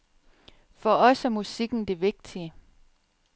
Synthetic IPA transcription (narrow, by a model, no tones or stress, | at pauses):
fɒ̽ɒ̽sæmusiɡ̥n̩d̥e̝ʋe̝ɡ̥̚d̥iə